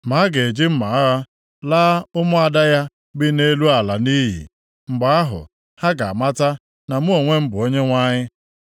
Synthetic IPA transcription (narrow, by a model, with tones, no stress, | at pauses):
ma˨˦ɡe˨d͡ʒɪ˦m̩˦ma˨a˦a˦ | laː˦ʊ˦mʊ˦a˨da˦ja˦ | bɪ˦ne˦lu˦a˨la˨ni˦ɦḭ˨ | ŋ͡m̩˨ɡ͡ba˨a˦ɦʊ̰˨ | ha˦ɡa˨a˨ma˦ta˦ | na˨mu˦o˨ŋʷe˦m̩˦bʊ˨o˦ɲe˦ŋʷa˦ɲɪ˦